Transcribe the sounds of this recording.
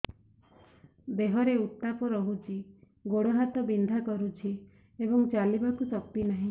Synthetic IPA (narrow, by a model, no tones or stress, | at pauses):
beɦɔɾeut̪ːapɔɾɔɦut͡ʃʰi | ɡoɽoɦat̪ɔbind̪ʱakɔɾut͡ʃʰi | ebɔŋt͡ʃalibakusɔpːinaɦĩ